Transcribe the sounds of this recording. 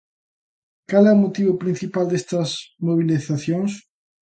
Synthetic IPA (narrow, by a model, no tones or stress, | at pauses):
kalɛomot̪iβʊpɾĩn̟θipald̪est̪ɐsmoβ̞iliθaθjoŋs